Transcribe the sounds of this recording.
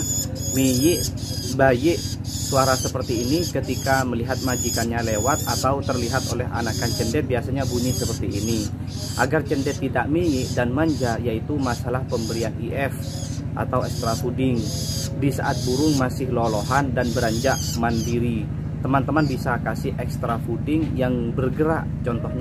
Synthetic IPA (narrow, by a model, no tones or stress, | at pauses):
mijɪʔ | bajɪʔ | suaɾasəpərt̪iːnikət̪ikaməliɦat̪̚mad͡ʒikanɲalewat̪̚a̰t̪awt̪ərliɦat̪olɛɦa̰nakant͡ʃəndɛt̪̚biasaɲabumisəpərt̪iːni | ʔa̰ɡart͡ʃəndɛt̪ːidaʔmiɲɪʔdanmaɲd͡ʒajait̪umasalahpəmbəɾianiʔɛf | ʔa̰t̪awɛkst̪ɾafudɪŋdisa̰ʔat̪̚buɾʊŋmasɪhlolɔɦandanbəɾaɲd͡ʒaʔmandiɾi | t̪əmant̪əmanbisakasɪhɛkst̪ɾafudɪŋjaŋbərɡəɾa̰ʔt͡ʃɔnt̪ɔhɲ